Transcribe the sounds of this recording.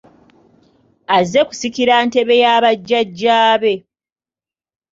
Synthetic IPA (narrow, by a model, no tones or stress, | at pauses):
aze̞ku̥sikiɾante̞βe̞jaːβaɟːaɟːaːβe̞